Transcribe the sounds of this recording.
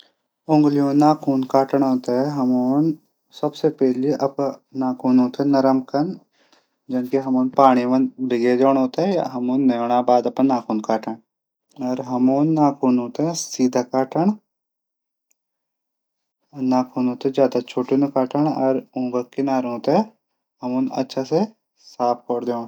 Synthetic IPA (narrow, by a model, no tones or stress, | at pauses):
ʊ̃ŋɡlijõnaːkʰuːnkaːʈəɳɦoːt̪aɦɛɦɐmoːn | sɐbsepɛɦliʔɐpnaːkʰuːnɦoːt̪aɛnɐɾəmkɐn | d͡ʒɐnkeɦɐmoːnpaːɽ̃iʋɐnbiɡed͡ʒoːɳ̃ɦoːt̪aɦɛja̰ɦɐmoːnːɐjoːɽ̃abaːd̪ɐpənːaːkʰuːnkaːʈəɳ | ɔːɾɦɐmoːnːaːkʰuːnɦoːt̪eɦɛsiːd̪ʱakaːʈʰəɳ | naːkʰuːnɦoːt̪ed͡ʒjaːd̪at͡ʃʰoːʈunkaːʈʰəɳ̃ɔːɾũːɡəkkɪnaːɾɦoːt̪aɛ | ɦɐmuːnɐ̰tːʃʰase | saːp̚ʰkɔːɾd̪eoːɳ